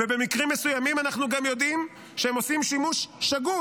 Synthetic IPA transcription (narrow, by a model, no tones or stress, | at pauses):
vebemikʁimːe̞sujamimanaχnuɡamjo̞d̪im | ʃeemo̞simʃimuʃːaɡu